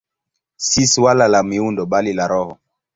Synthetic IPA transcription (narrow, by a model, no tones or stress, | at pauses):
siswalalamiundɔɓalilaɾɔhɔ